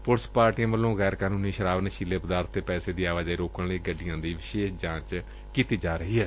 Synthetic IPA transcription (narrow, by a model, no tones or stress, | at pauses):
pʊɾspaːɾʈijãːʋəlːõːɣɛːɾkaːnũːniːʃəɾaːʋnʃiːleːpəd̪aːɾt̪ːeːpɛːseːd̪iːaːʋaːd͡ʒaiːɾoːkəɽɽẽːɡəɖɪjãːd̪iːʋɪʃeːʃd͡ʒãːt͡ʃ | kiːt̪iːd͡ʒaːɾəɦiːɛː